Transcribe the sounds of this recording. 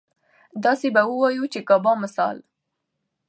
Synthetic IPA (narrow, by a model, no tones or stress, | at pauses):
d̪ɑsebawəwɑjut͡ʃekɑbɑmɪsɑ̰l